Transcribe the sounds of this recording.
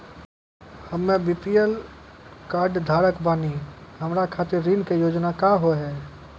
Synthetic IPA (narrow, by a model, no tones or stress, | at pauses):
həmːẽbipiel | kaːɾɖd̪ʱaːɾəkbaːnihəmɾakʰat̪ɪɾːinkejoːd͡ʒnakaɦoɦɛː